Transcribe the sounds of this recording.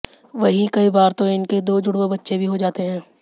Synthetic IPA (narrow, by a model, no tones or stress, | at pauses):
ʋɐɦĩkɐibaːɾt̪oɪnked̪oːd͡ʒʊɽwebɐtːʃebʱiɦod͡ʒaːt̪eɦɛ̃ː